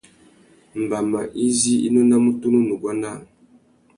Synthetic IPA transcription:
m̩˨ba˨ma̰˨ʔi˦zi˦ḭ˦nɔ˦na˦mu˦tu˦nu˦nu˨ɡwa˦na˦˨

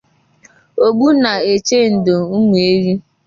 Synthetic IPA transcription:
o˨ɡ͡bu˦na˨e˨t͡ʃe˦n̩˨do˨u˦ŋʷ˨e˦ɾi˦

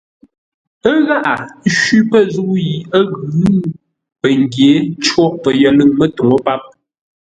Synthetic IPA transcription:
ə˦ɣa˦ʔa˨˦ʃwi˦pə˦zu˦ji˨ə˦ɣʉ˨˦ | pə˨ŋ˨ɡje˨˦t͡ʃwɔ˦˨ʔpə˨jə˨lɨ˦˨ŋmə˦to˨ŋo˦pa˦p̚

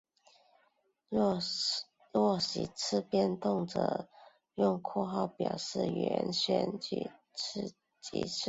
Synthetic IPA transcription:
lwɔ˥˩ɕḭ˨˩t͡s̩ʰ˥˧pjɛ˥˧nt̪ʊ˥˩ŋʈ͡ʂɤ̰˨˩˦ | jʊ˥˧ŋkʰwɔ˥˧xɑ˥˩ʊpjɑ˨˩ʊʂɻ̩˥˩ɥɛ˧˥nɕɥɛ̰˧˥nt͡ɕy̰˥˧˩ | t͡ɕḭ˨˥t͡s̩ʰ˥˩

